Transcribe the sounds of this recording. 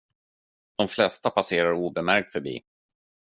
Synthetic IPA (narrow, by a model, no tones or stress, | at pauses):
d̪̥ɔmflɛst̪apaseːɾaɾuːbɛmæɾk̚t̪fœɾbḭː